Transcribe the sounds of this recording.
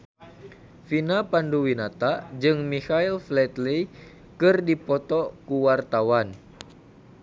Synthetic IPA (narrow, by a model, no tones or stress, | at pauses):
finapanduwinat̪ad͡ʒɨŋmihailflɛt̪li | kɨrdipɔt̪ɔkuwart̪awan